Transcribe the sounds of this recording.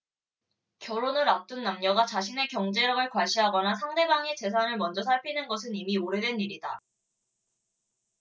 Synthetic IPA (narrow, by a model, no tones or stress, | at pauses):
kjʌɾonɯɾap̚t͈ɯnːamɲʌɡat͡ɕaɕ̬ʰine̞kjʌŋd͡ʑe̞ɾʌɡɯɭkwaɕʰiɦaɡʌnasʰaŋde̞baŋet͡ɕe̞s̬ʰanɯɭmʌnd͡ʑʌs̬ʰaɭpʰinɯnɡʌsʰɯnimioɾe̞dwe̞niɾida